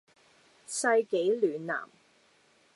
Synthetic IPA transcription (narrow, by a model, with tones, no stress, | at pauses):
sɐ˧jke˨˥jlyː˨˩nːa̰ː˨˩m